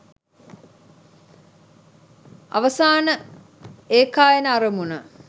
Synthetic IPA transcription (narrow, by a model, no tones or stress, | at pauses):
a̰ʋɐsaːnə | eːkaːjenəaɾəmunə